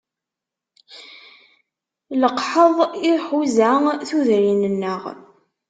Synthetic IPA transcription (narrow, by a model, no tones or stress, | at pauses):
ləqħəðˤiħuzæθuðɾinənːəʁ